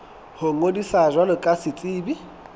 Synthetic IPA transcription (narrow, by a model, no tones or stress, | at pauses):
hoŋodisaʒwanʊkʼasɪt͡sʼiːbi